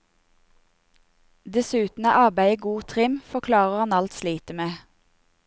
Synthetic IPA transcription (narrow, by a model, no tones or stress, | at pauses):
d̪ɛsʉːt̪n̩æ̰ʔɑʁbæɪəɡuːt̪ʰʁɪmfɔʁkʰlɑːʁəʁhɑnɑlt̪sliːt̪əmeː